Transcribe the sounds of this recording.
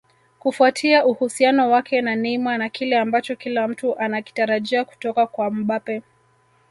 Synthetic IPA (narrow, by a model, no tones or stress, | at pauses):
kufuatʰiaʔuhusianɔwakʰɛnanimanakilɛambat͡ʃɔkilam̩tuʔanaki̥taɾaʄiaku̥tɔkakwam̩ɓapɛ